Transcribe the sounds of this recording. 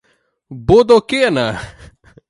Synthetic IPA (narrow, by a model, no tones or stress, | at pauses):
bod̪okenɐ